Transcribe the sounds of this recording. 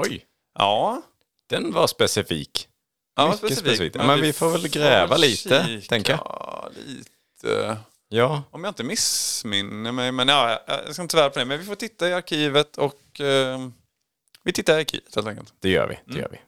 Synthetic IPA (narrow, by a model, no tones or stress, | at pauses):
ɔj | ʔɑː | d̪̥ɛnvaɾspɛsɪfḭːk | jɑmasspɛssfiːk̚t̪jɑ̰mɛnvɪfoːɾvɛlɡɾɛːvaliːt̪əɛŋkjalḭːt̪ʰə̰ | jɑːɔmjɑɪnt̪əmɪsmɪnːəmɛjmɛnjɑːjjɑ̰j̰skaɪnəsvæːɾapʰɔd̪ɛmɛnvɪfoːʈʰɪt̪ːaɪaɾkʰiːvət̪ʰɔk | vɪt̪ʰɪt̪ːaɪaɾkʰḭːvə̥t̪heːlt̪ɛŋkə̰lt̪d̪̥ɛjœ̰ːɾvɪ̰d̪̥ɛjœ̰ːɾvɪ̰